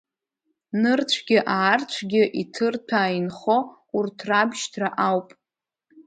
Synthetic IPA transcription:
nɨrt͡ɕʷʰɡʲɪʔaːrt͡ɕʷʰɡʲɪʔitʰɨrtʰaːinχo̞ | urtʰrabʒtʰraʔawpʼ

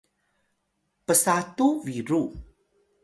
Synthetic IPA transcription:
pəsatuviɾu

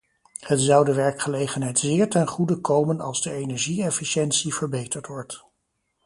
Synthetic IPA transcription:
hətzɑwdəʋɛɹkχəlejχənɦɛjtzɪːɹtɛnχudəkowmənɑlˠzdəejnɛɹʒiɛfiʃɛntsivəɹbejtəɹtʋɔɹt

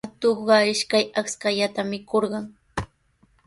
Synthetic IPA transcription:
at̪oχɢɑɪʃkajakskaʎat̪amɪkʰoɾɢɑŋ

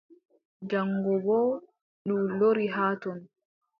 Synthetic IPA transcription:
d͡ʒaŋɡɔbɔː | ɗumloɾiɦaːtɔn

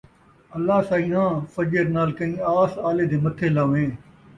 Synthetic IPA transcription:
əlːaːsãːĩːãːfəd͡ʒəɾnaːlkəĩːaːsaːleːd̪eːmət̪ʰeːlaːʋẽː

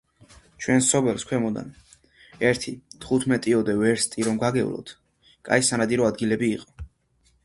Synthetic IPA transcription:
t͡ʃʰwɛnsɔbɛlˠskʰwɛmɔd̪a̰n | ɛɾt̪ʰit̪ʰχut̪ʰmɛt̪ʼiɔd̪ɛvɛɾst̪ʼiɾɔmɡaɡɛṵlˠɔ̰t̪ʰ | kʼa̰isanad̪iɾɔad̪ɡilɛbiːqʼɔ̥

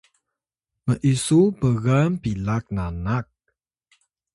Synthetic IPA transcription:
məʔisubəɣampilak̚nanak̚

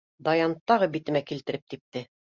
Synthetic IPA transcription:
d̪ɑjɑnt̪ːɑʁɤbit̪ɘ̆mækilt̪ɘ̆ɾɘp̚t̪ip̚t̪ɘ

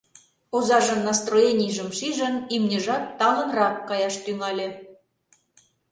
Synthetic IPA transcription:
ozɑʒə̆mnɑst̪rojenʲijʒə̆mʃiʒə̆nimnʲeʒɑt̪t̪ɑlə̆nrɑkːɑjɑʃt̪yŋɑlʲĕ

